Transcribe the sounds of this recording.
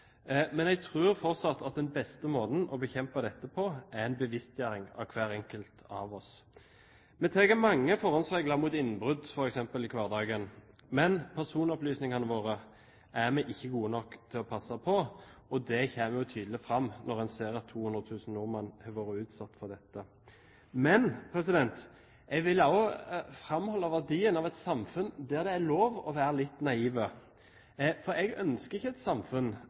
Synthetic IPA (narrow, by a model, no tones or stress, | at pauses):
mɛnɛɡ̚t̪ʰʁʉːɾfɔʁt̪sɑt̪ʰːɑt̪̚d̪ɛnbɛst̪əmoːd̪n̩ɔbəçɛmpɑd̪ɛt̪ːəpʰɔʔæɛɪnbəʋɪst̪jæːɾɪŋɑ̰ʋkʰʋæːɾɛŋkəlt̪ɑ̰ʋɔs | mɛt̪ʰɛɡəmɑŋːəfɔʁhɔnsɛɡlɑmuːt̪ɪnːən̩bʁʉd̪fɔɾɛksɛmpəlɪkʰʋɑːʁd̪ɑːɡən | mɛnpʰæʁsuːnɔplyːsnɪŋɑnəʋoːʁə | ʔæʁmɛʔɪçːəɡuːənɔkːt̪ʰɪlɔpʰɑsːɑpʰɔɔd̪ɛçeːməjʊt̪ʰyːd̪l̩ɪfɾɑmːnɔʁɛnseːɾɑt̪ʰːuːhʉnd̪ʁət̪ʰʉːsn̩nʊːʁmɑnhɑʋoːɾəʉːt̪sɑt̪ːfɔd̪ɛt̪ːə | mɛnpʰɾɛsɪd̪ɛnt̪ | ʔɛɡʋɪlːɑɔfɾɑmhɔlːɑʋæʁd̪iːənɑʋɛt̪sɑmfʉnd̪æɾd̪ɛæloːʋɔʋæːɾəlɪt̪ːnɑiːʋə | fɔɾɛɡœnskəɾɪçːəɛt̪sɑmfʉn